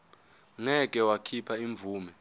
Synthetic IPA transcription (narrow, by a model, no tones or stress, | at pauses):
ŋɛk̬ʼɛwakʰipʰaiɱb̪vuːmɛ